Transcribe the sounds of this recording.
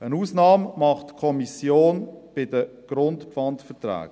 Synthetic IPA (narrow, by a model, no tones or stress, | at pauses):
ənuːsnɑːmmɑχtkʰɔmisjoːnb̥ɪdəɡ̥ɾʊntpfɑntfətɾæ̰ːɡ̥